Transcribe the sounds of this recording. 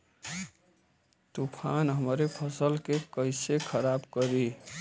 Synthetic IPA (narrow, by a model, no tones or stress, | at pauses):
t̪upʰanɦəmɾepʰəsəlkekəɪsekʰəɾabkəɾi